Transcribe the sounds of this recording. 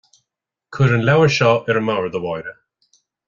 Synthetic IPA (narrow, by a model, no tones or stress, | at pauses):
kʰʊɾənlɛwəʃɔɪɾəmawɹðəwajɾə